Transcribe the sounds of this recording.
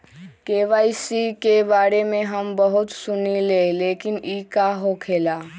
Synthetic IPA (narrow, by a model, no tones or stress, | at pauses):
keʋaːisikebaːɾemẽɦəmbəɦut̪sʊnileleːkɪnikaɦokʰeːla